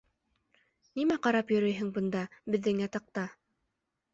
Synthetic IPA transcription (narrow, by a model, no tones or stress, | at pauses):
nimæqɑɾɑpjɵ̆ɾɵjɦɘŋbɤ̆nd̪ɑbɘ̆ðːɘŋjɑt̪ɑq̚t̪ɑ